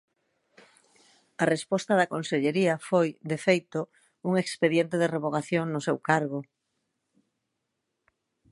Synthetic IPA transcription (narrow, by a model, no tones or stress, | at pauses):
arespɔst̪ɐðɐkonseʎeɾiafojd̪efejt̪o | uŋekspeðjent̪eðereβoɣaθjoŋnʊsewkaɾɣ̞o